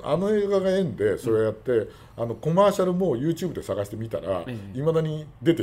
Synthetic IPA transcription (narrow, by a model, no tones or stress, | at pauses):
a̰no̞e̞ːɡaɡaẽ̞nd̪e̞so̞ɾe̞ojat̪ːe̞ | ano̞ko̞maːɕaɾɯ̟mo̞ːjɯ̟ːt͡ɕɨːbɯ̟d̪e̞saɡaɕi̥t̪e̞mʲit̪a̰ɾa̰imad̪aɲ̟id̪e̞t̪e